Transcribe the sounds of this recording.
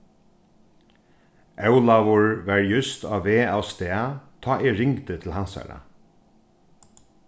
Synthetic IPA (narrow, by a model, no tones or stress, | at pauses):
ɛwlaʋʊɹʋæɹjʏst̪aːʋeːawst̪ɛːat̪ʰɑːʔɛɹɪŋkt̪ət̪ʰɪlhansa̰ɹa̰